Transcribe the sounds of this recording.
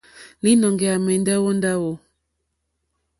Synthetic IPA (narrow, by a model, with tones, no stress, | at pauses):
li˦nɔ˨ŋɡɛ˨a˨mɛ˨n˦da˦wo˦nda˦wo˦